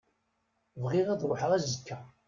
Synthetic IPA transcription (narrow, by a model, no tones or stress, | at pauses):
vʁɪʁæðɾˤoħəʁæzəkʰːæ